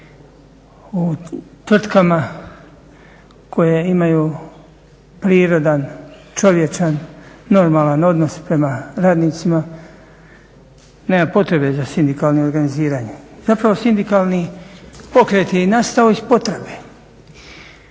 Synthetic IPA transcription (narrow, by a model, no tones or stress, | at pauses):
ut̪ʋr̩t̪kama | ko̞jeimajuː | pɾiːɾo̞d̪ant͡ʃo̞ʋje̞t͡ʃanːo̞ɾmaːlano̞d̪no̞spɾe̞maɾaːd̪niːt̪sima | neːmapo̞t̪ɾe̞be̞zasind̪ikaːlˠnioɾɡaniziːɾaːɲezapɾaʋo̞sind̪ikalˠnipo̞kɾe̞t̪jeinast̪aoispo̞t̪ɾebe